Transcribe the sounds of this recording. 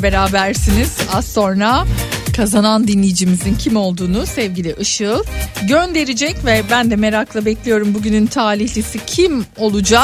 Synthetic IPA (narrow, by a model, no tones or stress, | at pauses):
be̞ɾaːbæɾsiniz̥azso̞nɾakʰazanand̪inlʲijid͡ʒimizincʰimo̞lˠd̪uːnusɛvɟilʲiʔɯʃɯlˠɟønd̪e̞ɾid͡ʒɛcvɛbænd̪ɛme̞ɾaklˠabɛclʲijo̞ɾumbuɟynynt̪ʰaːɾiçlʲisicʰimo̞lˠud͡ʒa